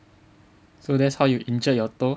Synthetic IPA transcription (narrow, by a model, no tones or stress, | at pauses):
sodesʰʌjuʔind͡ʑʌjʌt͈o